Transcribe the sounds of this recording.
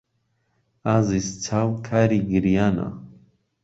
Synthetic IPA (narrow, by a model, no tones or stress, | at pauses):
azist͡sʰawkʰaːɾiɡiɾijana̰